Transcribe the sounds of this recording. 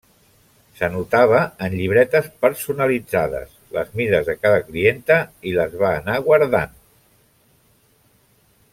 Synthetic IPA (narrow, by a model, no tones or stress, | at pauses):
sənut̪aβ̞əːnʎiβ̞ɾɛt̪əspəɾsunəlid͡zaðə̰s | lə̰zmiɾəzðəkaðəklient̪əiləzβaːnaɣwaɾða̰n